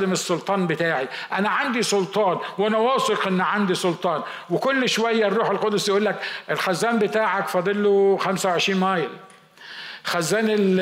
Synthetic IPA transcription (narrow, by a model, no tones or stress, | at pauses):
d̪emesːʊlt̪ˤɑːnbɪt̪aːʕiʔænæʕand̪isʊlt̪ˤɑːnwʔænæwɑːsˤeqʔɪnːʕand̪isˤʊlt̪ˤɑːn | wɪkʊlːʃowæjːærːuːħelqɑd̪ʊsjʔuːlːækʔelxæzːæːmbɪt̪aːʕakfɑd̪ˤelːoxæmsawʕeʃɾiːnmæːjl | xæzːæːnɪl